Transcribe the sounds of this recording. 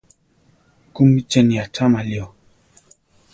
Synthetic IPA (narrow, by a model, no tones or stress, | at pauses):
kumit͡ʃɛnjatʰamaliɔ